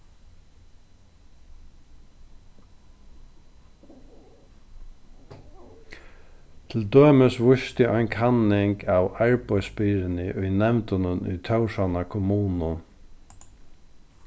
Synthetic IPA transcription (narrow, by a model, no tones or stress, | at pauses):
t̪ʰɪld̪øːməsʋʊʃt̪ɪʔaɪnkʰanɪŋkʰawaɹpɔjspɪɾɪnɪʔʊjnɛmt̪ʊnʊnʏ̰jt̪ʰœwʂanakʰʊmuːnʊ